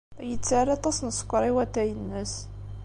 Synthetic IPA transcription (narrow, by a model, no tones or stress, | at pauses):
jət͡sːaɾɑt̪ˤɑsnəsˤə̥kʷːɾˤiwæt̪ːæjənːəs